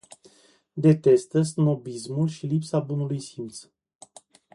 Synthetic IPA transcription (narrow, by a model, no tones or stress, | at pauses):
d̪e̞t̪e̞st̪əsɨmobismulʃilipsabunulujsimt̪s